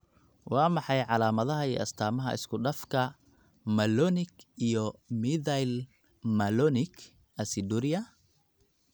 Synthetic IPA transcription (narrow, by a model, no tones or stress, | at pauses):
wɑːmɑħɑjʕɑlaːmɐðɐɦɐḭːʔɐ̰st̪ʰaːmɐɦɐ̰ʔɪ̰skʰʊɖɐfkʰɐ | mɐlɔnɪɡijɔmiðajl | mɐlɔnɪɡ | ɐsɪd̪uɾɪjɐ